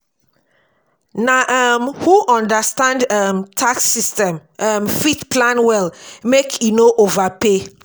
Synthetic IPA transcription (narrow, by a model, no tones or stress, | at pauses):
naʔamhuʔɔ̃ndastãndamtʰaksːistɛ̃mʔamfitplãnwɛlmekʰinoʔovape